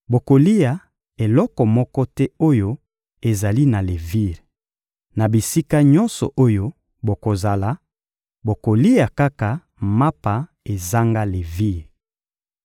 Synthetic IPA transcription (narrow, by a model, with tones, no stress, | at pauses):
bo˨ko˨li˦a˨ | e˨lɔ˦kɔ˨mɔ˦kɔ˦tɛ˦o˦jo˦ | e˨za˨li˦na˨le˨vi˦ʁ | na˨bi˨si˦ka˦ɲɔ˦nsɔ̰˨ʔo˦jo˦ | bo˨ko˨za˨la˨˦ | bo˨ko˨li˦a˨ka˦ka˨ | ma˦pa˨ | e˨za˦ŋɡa˦le˨vi˦ʁ